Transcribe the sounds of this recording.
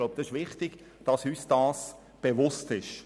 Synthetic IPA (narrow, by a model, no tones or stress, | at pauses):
laʊb̚d̥ɑsɪʃvɪχtɪɡ̥ | d̥ɑsyːsd̥ɑːs | b̥evʊstɪʃ